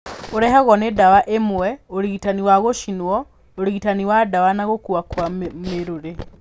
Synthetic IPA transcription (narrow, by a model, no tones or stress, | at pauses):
oɾɛhaɣɔnedawaʔemwɛoɾiɣitaniwaɣoʃinɔ | oɾiɣitaniwadawanaɣokuwakwameɾoɾe